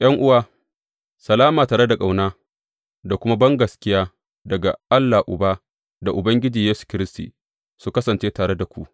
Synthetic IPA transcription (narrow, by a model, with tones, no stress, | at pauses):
ʔj̰ɐ˦ŋʔʊ˦waː˦ | sɐ˨laː˦maː˨taː˨ɽe˦da˨kʼa˨wnaː˦ | da˨kʷʊ˦ma˦bɐ˦ŋɡɐ˨skʲɪ˦jaː˦ | dɐ˨ɡa̰˨ʔa˦lːaː˨ʔʊ˨baː˦ | da˨ʔʊ˨bɐ˦ŋɡʲɪ˦d͡ʒiː˨jeː˦su̥˨kʲɪ˦ɾɪ˦stḭː˨ | su˦kɐ˦sɐ˨nt͡ʃeː˦taː˨ɽe˦da˨kʷu˦ʔ